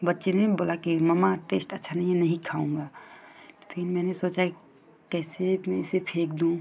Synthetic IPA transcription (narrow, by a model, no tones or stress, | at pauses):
bɐtːʃeneĩboːlakiməmaʈeːsʈətːʃʰanɐɦienɐɦĩkʰaːũːŋɡa | pʰɪnmɛ̃ːnesoːt͡ʃaki | kɛːsemɛsepʰeːkd̪ũː